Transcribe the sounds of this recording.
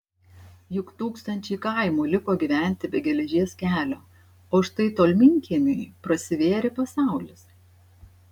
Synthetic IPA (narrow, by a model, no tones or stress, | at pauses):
jʊkt̪uːkst̪ɐnʲt͡ʃʲɛɪkɐˑɪmuːlʲɪkoːɡʲiːʋʲæˑnʲˑt̪ʲɪbʲɛɡʲɛlʲɛʒʲiɛskʲæːlʲoː | oːʃt̪ɐɪt̪oːlʲmʲɪŋʲkʲiɛnʲɛɪpɾɐsʲɪʋʲeːɾʲɪpɐsɑˑʊlʲɪs